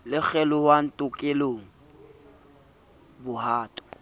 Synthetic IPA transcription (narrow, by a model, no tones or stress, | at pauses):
lɪk͡xʰɛlʊhwan̩tʼʊkʼeloːŋ̩ | bʊhaːtʼɔ̥